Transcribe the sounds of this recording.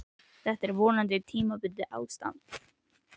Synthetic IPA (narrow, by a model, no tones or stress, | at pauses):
d̪̥ɛt̪ːæɾvoːnand̪ət̪ʰimabʏd̪ːəʔa̰w̪st̪a̰nt̪